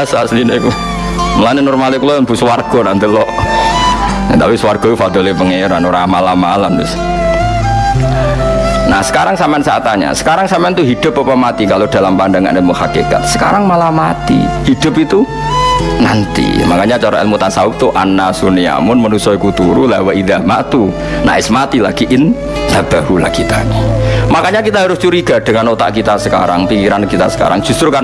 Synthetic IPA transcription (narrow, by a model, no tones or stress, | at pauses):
asasineku | məlanɪnɔrmalekulɔbusəwarɡ̥ɔnant̪ilɔʔ | at̪apiswarɡ̥ɔtufad̪ɔlepəŋeɾanoɾamalamalamtʊ̰s | na̰hsə̥kaɾaŋsamaansaat̪aɲa̰sə̥kaɾaŋsamaant̪uɦid̪̥ʊ̤pːəpamat̪ikalod̥a̤lampandaŋa̰ʔnemuhakeka̰t̪̚sə̥kaɾaŋmalamat̪ḭhid̥ʊ̤pit̪u | na̰nt̪ḭmakaɲat͡ʃaɾɔʔɛ̰lmut̪asaʊp̚t̪uʔanːasunia̰mʊnmənusɔkut̪uɾulawaiðamat̪u | na̰ʔɪsmat̪ilaɡ̥iʔɪn | lab̥ahula̰ɡ̥it̪a̰nimakaɲakit̪aɦaɾʊst͡ʃuɾiɡ̥ad̥əŋanot̪a̰ʔkit̪asəka̰ɾa̰ŋpikiɾankit̪a̰sə̥ka̰ɾaŋd͡ʒ̥ust̪ɾuka